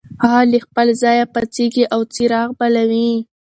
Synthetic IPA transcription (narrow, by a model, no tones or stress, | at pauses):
hɑlixpəlzɑjapat͡seɡiʔawt͡siɾɑɣbalawi